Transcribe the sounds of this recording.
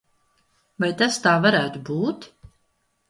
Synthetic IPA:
vajt̪ast̪aːvaɾæːt̪ubuːt̪

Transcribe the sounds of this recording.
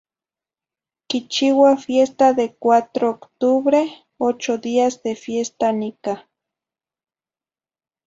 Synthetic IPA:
kit͡ʃiwafjest̪aðekwat̪ɾoːkt̪uβɾe | ot͡ʃoðiazd̪efjest̪anika

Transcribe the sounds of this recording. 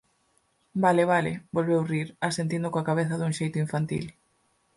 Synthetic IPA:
balɪβalɪbolβewriɾasent̪ind̪ʊkoakaβeθɐðuŋʃejt̪ʊiɱfant̪ḭl

